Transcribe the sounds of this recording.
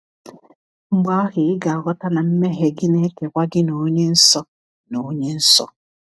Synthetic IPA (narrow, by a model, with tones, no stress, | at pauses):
ŋ͡m̩˦ɡ͡ba˦a˦ɣɪ˨ɪ˦ɡa˨a˨ɡɔ˦ta˦na˨m̩˦me˦ɦe˨ɡɪ˦ne˦ke˨kʷa˦ɡɪ˦no˨˦ɲe˦n̩˦sɔ˦ | no˨˦ɲe˦n̩˦sɔ̰˦